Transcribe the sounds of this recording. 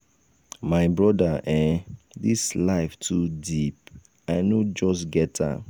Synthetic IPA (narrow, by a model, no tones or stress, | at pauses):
maɪbɹɔdaʔɛ̃ | dislaɪftʰudip̚ | aɪnod͡ʒɔstɡɛtʰa̰